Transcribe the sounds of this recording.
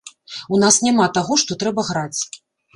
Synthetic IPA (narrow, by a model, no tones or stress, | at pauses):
unasnʲamat̪aɣɔʂt̪ɔt̪ɾɛbɐɣɾat͡sʲ